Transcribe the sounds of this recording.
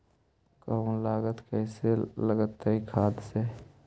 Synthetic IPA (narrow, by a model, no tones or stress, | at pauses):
kəũlaːɡət̪kəɪseləɡət̪ːəɦikʰaːd̪se